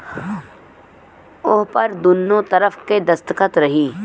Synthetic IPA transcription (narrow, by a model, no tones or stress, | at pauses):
ʊɦpəɾd̪ʊnːõt̪əɾəfʰked̪əst̪əkət̪ɾəɦiː